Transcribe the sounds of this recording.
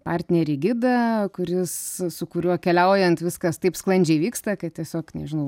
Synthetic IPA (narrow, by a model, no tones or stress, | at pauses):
pɑrʲt̪ʲnʲɛɾʲiɡʲɪd̪ɐkʊɾʲɪssʊkʊɾʲuɔkʲɛlʲɛʊjɛnt̪ʋʲɪskɐst̪ɐɪpsklˠɐnʲd͡ʒʲɛɪʋʲiːkst̪ɐkɐttʲiɛsʲoːknʲɛ̰ʒʲɪnɐʊ